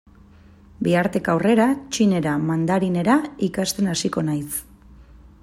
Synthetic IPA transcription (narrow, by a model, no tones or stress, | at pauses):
biaɾt̪e̞kawre̞ɾat͡ʃine̞ɾamand̪aɾine̞ɾaikast̪e̞nasiko̞najs